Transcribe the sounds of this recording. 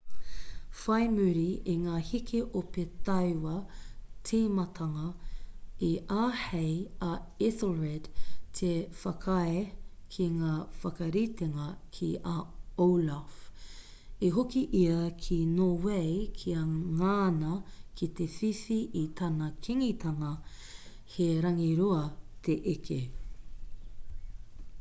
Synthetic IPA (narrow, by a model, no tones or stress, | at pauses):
fɐjmʉɾiiŋaːhikʰeʔopetɐjwɐt̪ʰemɐtʰɐŋɐ | iʔaːhejɐɪslɹɛdtʰefɐkʰɐekʰiŋaːfɐkɐɾit̪eŋɐkʰiʔaowlaf | iɦokiʔiɐkʰinoːwejkʰiɐŋaːnɐkʰit̪efifiʔit̪ʰɐnɐkʰiŋit̪ʰɐŋɐ | heɾɐŋiɾuɐt̪ʰeʔekʰe